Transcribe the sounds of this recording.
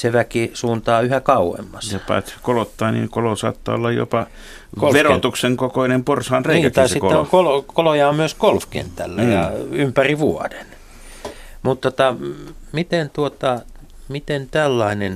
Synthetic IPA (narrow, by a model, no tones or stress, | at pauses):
seʋækisuːnt̪ɑːyhækɑuwḛmːɑsjɑpɑ̰ːt̪kolot̪ːɑːnḭːŋkolosɑ̰ːt̪ːɑ̰ːo̰lːɑjjo̰pɑ | kolʋerot̪ukseŋkokoinemporsɑːnreikæt̪ːsesikoːeŋkolokolojɑommyøskolfkḛnt̪æ̰lːæjɑ̰ympæriʋuɔ̰den | mut̪t̪ot̪ɑmit̪ent̪uot̪ɑ | mit̪ent̪ælːɑinen